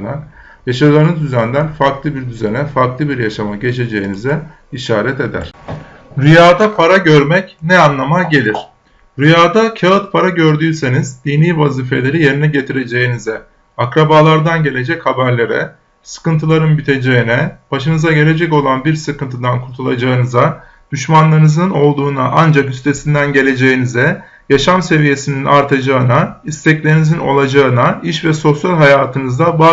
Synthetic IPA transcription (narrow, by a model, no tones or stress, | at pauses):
næn | jaʃad̪ɯːnɯzd̪yzænd̪ænfaɾklˠɯbiɾd̪yzænɛfaɾklˠɯbiɾjaʃamaɟe̞t͡ʃʰe̞d͡ʒe̞jinizɛ | iʃaːɾɛt̪e̞d̪æ̰ɾ̥ | ɾyjaːd̪apʰaɾaɟøɾmɛcnɛanlˠamaɟe̞lʲiɾ̥ | ɾyjaːd̪acʰaɯt̪̚pʰaɾaɟøɾd̪yːse̞nizd̪iniːvaziːfe̞lʲe̞ɾije̞ɾinɛɟe̞t̪ʰiɾe̞d͡ʒe̞jinizɛ | akɾabaːlˠaɾd̪anɟe̞lʲe̞d͡ʒɛchabæɾlʲe̞ɾɛ̰ | sɯ̥kɯnt̪ʰɯlˠaɾɯnbit̪ʰe̞d͡ʒe̞inɛb̥aʃɯnɯzaɟe̞lʲe̞d͡ʒɛco̞lˠanbiɾsɯkɯnt̪ʰɯd̪ankʰuɾt̪ʰulˠad͡ʒaɯnɯza | d̪̥yʃmanlˠaɾɯnɯzɯno̞lˠd̪uːnaʔand͡ʒakyst̪ʰe̞sind̪ænɟe̞lʲe̞d͡ʒe̞jinizɛ | jaʃamse̞vije̞sininʔaɾt̪ʰad͡ʒaɯnaist̪ʰɛclʲeɾinizino̞̰lˠad͡ʒaɯnaiʃvɛso̞sjalʲɦajaːt̪ʰɯnɯzd̪aba